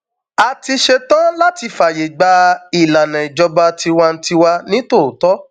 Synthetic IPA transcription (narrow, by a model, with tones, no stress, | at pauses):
a˨ti˧ʃe˧tɔ̃˦la˦ti˧fa˨je˨ɡ͡ba˧i˨la˨nɛ̃˨i˨d͡ʒɔ˧ba˧ti˧wa˧n̩˧ti˧wa˧nĩ˨˦to˦˨tɔ˨˦